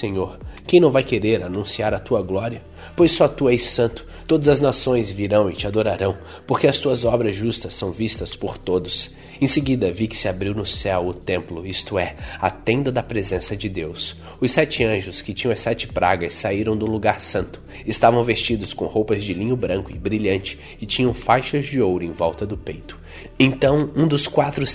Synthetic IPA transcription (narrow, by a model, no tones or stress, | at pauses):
sẽɲoɾkẽj̃nɐ̃w̃vajkeɾeɾanũsiaɾɐt̪uɐɡlɔɾiɐ | pojssɔt̪uɛjssɐ̃nt̪ʊ̥ | t̪od̪ɐzɐznasõj̃zviɾɐ̃w̃ɪt͡ʃɪad̪oɾaɾɐ̃w̃ | poɾkeɐst̪uɐzɔbɾɐzʒust̪ɐsːɐ̃w̃vist̪ɐspoɾt̪od̪ʊs | ẽseɡid̪ɐvikɪ̥sɪabɾiwnʊsɛwʊt̪ẽmplʊist̪ʊɛat̪ẽnd̪ɐd̪ɐpɾezẽsɐd͡ʒɪd̪ews | ʊsɛt͡ʃɪɐ̃ʒʊskɪt͡ʃĩɲ̃ɐ̃ɐsɛt͡ʃɪ̥pɾa̰ɡɐsːaiɾɐ̃w̃d̪ʊluɡaɾsɐ̃nt̪ʊ̥ | ɪst̪avɐ̃w̃vest͡ʃid̪ʊskõ̰howpɐzd͡ʒɪlĩɲʊbɾɐ̃kʊɪbɾiʎɐ̃nt͡ʃɪ̥ | ɪt͡ʃĩɲɐ̃w̃fajʃɐzd͡ʒɪowɾʊẽvɔwt̪ɐd̪ʊpejt̪ʊ̥ | ẽnt̪ɐ̃w̃ũd̪ʊskwat̪ɾʊ